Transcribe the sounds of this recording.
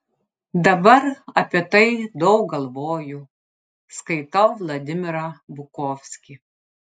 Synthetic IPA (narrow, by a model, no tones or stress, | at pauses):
d̪ɐbɐɾɐpʲiɛt̪ɐɪd̪ɐʊk̚ɡɐlˠʋoːju | skɐɪt̪ɐʊʋlˠɐd̪ʲɪmʲɪɾɐbʊkoːfʲsʲkʲi